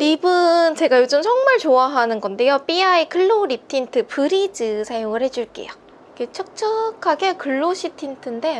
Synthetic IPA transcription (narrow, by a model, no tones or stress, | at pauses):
ibunt͡ɕe̞ɡajod͡ʑɯmsʰʌŋmaɭt͡ɕoaɦanɯnɡʌnde̞jop͈iaikʰɯɭːoɾip̚tʰintʰɯpɯɾid͡ʑɯsʰajoŋɯɭhe̞d͡ʑuɭk͈ḛja | k͈et͡ɕʰʌk̚t͡ɕ͈ʰʌkʰaɡe̞kɯɭːoɕʰitʰintʰɯnde̞